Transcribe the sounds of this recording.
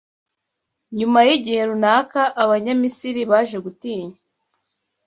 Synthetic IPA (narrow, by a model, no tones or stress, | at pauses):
ɲumajiɟihe̞ɾunaːkaʔaβaɲamisiɾiβaːʒe̞ɡutiːɲe